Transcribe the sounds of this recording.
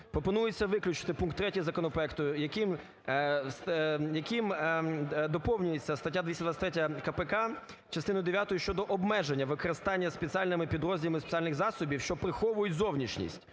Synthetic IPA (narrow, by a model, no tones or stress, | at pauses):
pɾɔpɔnujet͡sʲːɐʋɪklʲʊt͡ʃɪ̥t̪ɪpunkt̪ːɾɛtʲiɦɐzɐkɔnɔpɾɔɛkt̪ʊjɐkim | sjɐkim | d̪ɔpɔwnʲʊjet͡sʲːɐst̪ɐtʲːad̪ʋisʲɐd̪ʋɑsʲɐt̪ʲɾɛtʲɐɐkɐpɛkɑ | t͡ʃɐst̪ɪnʊjd̪eʋʲjat̪ʊjʊʃt͡ʃɔd̪ɔʔɔbmɛʒenʲːɐʋɪkɔɾɪst̪ɑnʲːɐspet͡sʲialʲnɪmɪpʲid̪ɾɔzʲdʲilˠmɪspe̥t͡sʲialʲnɪɣzɑsʊbʲiwʃt͡ʃɔpɾɪxɔʋʊjʊtʲzɔwnʲiʃnʲḭsʲtʲ